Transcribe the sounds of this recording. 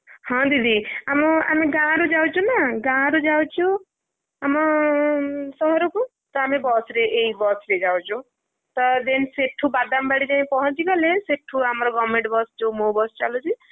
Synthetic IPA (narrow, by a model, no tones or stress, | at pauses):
hʌ̃d̪id̪iamɔa̰meɡãɾud͡ʒawt͡ʃʰũnaɡãɾud͡ʒawt͡ʃʰu | amɔ | sʌɦɔɾuku | t̪ʌamebʌsɾeʔeibʌsɾed͡ʒawt͡ʃʰũ | t̪ʌd̪enseʈʰːubad̪ambaɽit͡ʃaĩpɔɦʌ̃nt͡ʃikʌleseʈʰːuamɾɔɡʌmẽɳʈbʌst͡ʃʰomobʌst͡ʃalut͡ʃʰi